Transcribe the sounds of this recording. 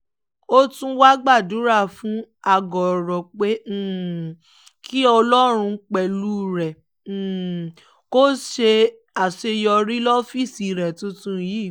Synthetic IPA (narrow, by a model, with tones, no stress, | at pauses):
o˦tũ˦wa˦ɡ͡ba˦˨du˨˦ɾa˦˨fũ˦a˧ɡɔ˨ɾɔ˨k͡pẽ˦˨ | kʰi˦ɔ˧lɔ˦ɾ̃ũ˧k͡pɛ˨lu˦ɾɛ̃˨ | ko˦ʃe˧ | a˨se˧jɔ˧ɾi˦lɔ˦fi˦˨si˨ɾɛ˨tũ˦tũ˧˦jiː˦˨